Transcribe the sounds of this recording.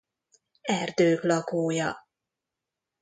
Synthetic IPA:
ɛrd̪øːklɒkoːjɒ

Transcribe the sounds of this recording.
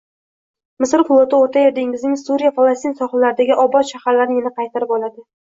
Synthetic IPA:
mɪsɾfʊlˠot̪ʰaoɾt̪ʰajeɾd̪ɪŋɪznɪŋsuɾijafalˠast̪insɒχalaɾɪd̪aɡʲɪʔɒbɒt̪ʃahaɾlaɾnɪɪnaqʰɑjt̪ʰaɾɪpɒlad̪ɪ

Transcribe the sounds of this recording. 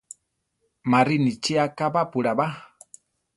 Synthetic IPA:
maɾinit͡ʃiakabapuɺaba

